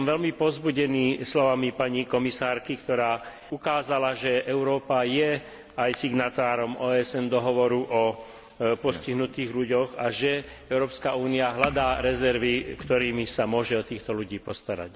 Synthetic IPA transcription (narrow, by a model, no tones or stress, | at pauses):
mʋɛlmipɔzbuɟɛniːslɔʋamipaɲikɔmisaːɾkikt̪ɔɾaː | ukaːzalaʒɛʔɛʊɾɔːpajɛ | ajsiɡnat̪aːɾɔmʔɔːɛsɛnd̪ɔɦɔʋɔɾuʔɔ | pɔsciɦnut̪iːɣʎuɟɔɣaʒɛ | ɛʊɾɔːpskauːniaɦlad̪aːɾɛzɛɾʋikt̪ɔɾiːmisamʊɔʒɛɔt̪iːxt̪ɔluɟiːpɔst̪aɾa̰c